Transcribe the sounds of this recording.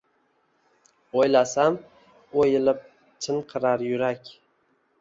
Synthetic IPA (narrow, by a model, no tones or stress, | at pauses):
ojlasam | ojɪlɪp̚ | t͡ʃʰɪnqʰɨɾaɾjʊɾakʲ